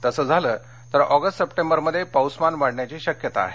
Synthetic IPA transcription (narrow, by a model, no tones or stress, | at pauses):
t̪əsəːd͡zʱaləː | t̪əɾɔɡəsʈsəpʈẽmbəɾməd̪ʱːjepawsmanʋaɽɳjat͡ɕiːɕəkjət̪a̰ːɦe